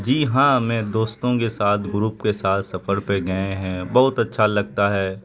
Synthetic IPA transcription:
d͡ʒiːɦãːmɛ̃ːd̪oːst̪õkesaːt̪ʰɡʊɾuːpkesaːt̪ʰsɐfəɾpeɡɐeɦɛ̃bɐɦʊt̪ɐtːʃʰalɐɡ̚t̪aɦɛː

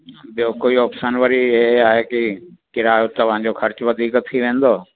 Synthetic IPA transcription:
bjoːkoːiɔːpsənʋəɾieaːɦeːkikɪɾaːjot̪ɐʋãːɲd͡ʑoːkʰɐɾt͡ʃʋɐd̪ʱiːkt̪ʰːiʋẽːnd̪oː

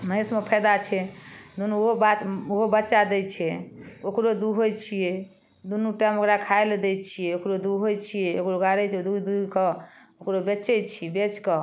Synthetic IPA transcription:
məɦesmepʰəjd̪at͡ʃʰɛd̪unuɦobat̪oɦobətːt͡ʃad̪ɛt͡ʃʰɛokɾod̪uɦojt͡ʃʰije | d̪unuʈamokɾakʰaeled̪ɛt͡ʃʰijɛokɾod̪uɦojt͡ʃʰijeokɾoɡaɾɛd̪ud̪ukə | okɾobet͡ʃɛt͡ʃʰibet͡ʃkə

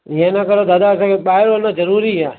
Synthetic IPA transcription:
jãnakəɾod̪ad̪asekeɓaeɾonad͡ʒəɾuɾiɦɛ

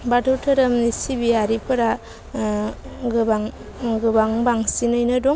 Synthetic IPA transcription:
batʰɯwtʰɯɾɐmnisibiaɾipʰɯɾa | ɡɯbaŋ | ɡɯbaŋbaŋsinɯjnɯdɔ

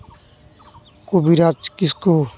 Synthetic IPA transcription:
kubiɾat͡ʃkisku

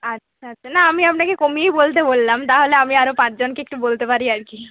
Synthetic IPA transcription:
atːʃʰaatːʃʰanaamiapnakekomiejbolt̪ebolːamt̪aɦoleamiaɾopãt͡ɕd͡ʑonkeek̚ʈubolt̪epaɾiaɾki

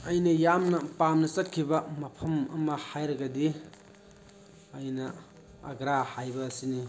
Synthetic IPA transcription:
ɐjnɐjamnɐpamnɐsɐtkʰːibɐmɐpʰɐmɐmɐhajɾɐɡɐdi | jnɐ̰ː | ɡɾahajbɐːsini

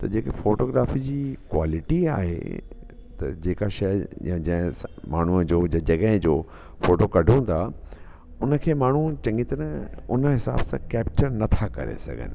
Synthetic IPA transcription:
t̪ɐd͡ʑeːkefoːʈoːɡɾaːfid͡ʑiːkwa̰ːlɪʈia̰ːɦḛ | t̪ɐ̰d͡ʑeːkaʃɐjjãd͡ʑɐ̃ɦɪ̃maːɳ̤uəd͡ʑoːd͡ʑãd͡ʑɐɡə̃ɦɪ̃d͡ʑoː | foːʈokɐɖʱũt̪ʰa | ʊnə̆kʰeːmaːɳ̤ut͡ɕɐ̃ŋɡit̪əɾʊnəɦɪsa̰ːbsãkɛːpt͡ɕəɾnɐt̪ʰakɐ̰ɾḛsɐ̰ɡʱə̰nɪ̰̆

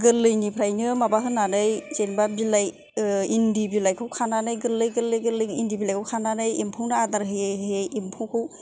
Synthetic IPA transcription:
ɡɯlːɯjnipʰɾajnɯmabaɦɯnanɯjzenbabilaj | indibilajkʰɯwkʰananɯjɡɯlːɯjɡɯlɯjɡɯlɯjindibilajkʰɯwkʰananɯjimpʰɯwnɯadaɾɦɯjejɦɯjejimpʰuwkʰɯw

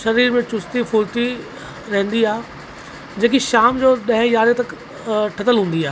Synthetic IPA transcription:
ʃɐɾiːɾmẽt͡ɕʊst̪ifʊːɾʈ̪i | ɾɐɦə̃n̆d̪iaːɦe | d͡ʑeːkiʃaːmd͡ʑoːɗɐ̃ɦɪ̃jaːɾet̪ɐk | ʈʰɐt̪əlɦũːn̆d̪iaː

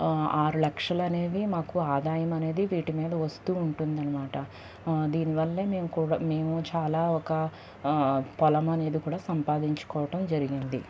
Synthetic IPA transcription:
aːɾulɐkʂɐlɐne̞ːd̪imaːkuaːd̪aːjɐmɐne̞ːd̪iʋiːʈimiːd̪ɐʋɐst̪uːɳʈund̪ɐnːɐmaːʈɐ | d̪iːniʋɐlːeːme̞ːmukuːɽme̞ːmut͡ʃaːlaːɔkɐ | pɔlɐmɐne̞ːd̪ikuːɽaːsɐmpaːd̪iɲt͡ʃu̥kɔːʋɐʈɐmd͡ʒɐɾiɡind̪i

